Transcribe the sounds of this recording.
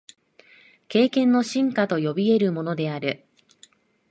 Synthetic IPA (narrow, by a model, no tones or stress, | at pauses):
ke̞ːkẽ̞nːo̞ɕĩŋkat̪o̞jo̞bʲie̞ɾɯ̟mo̞no̞d̪e̞aɾɯ̟